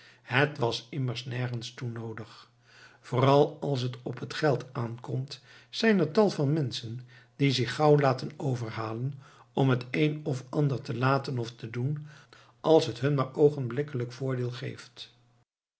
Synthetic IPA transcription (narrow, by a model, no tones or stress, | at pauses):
ɦətʋɑsɪməɹsnɛɹχənstunowdəχ | v̥ʊːrɑlˠɑlˠs̬ɦətɔpɦətχɛlˠtaːnkɔmtz̥ɛjnəɹtɑlˠvɑnmɛnsəndizɪχːɑwlaːtənowvəɹɦaːlənɔmɦətejnɔfɑndəɹtəlaːtənɔftədun | ʔɑlˠsɦətɦɵnmaːɹowχənblɪkələkfʊːɹdɪːlˠχḛjft